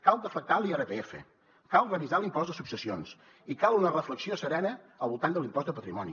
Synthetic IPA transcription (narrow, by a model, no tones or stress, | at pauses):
kalˠd̪əfək̚t̪alˠiɛrəpeefə̰ | kalˠrənizalimpɔzd̪əsupsəsions | ikalˠunərəfləksiosəɾɛnə | əlˠβulˠt̪and̪əlimpɔzd̪əpət̪ɾimɔnḭ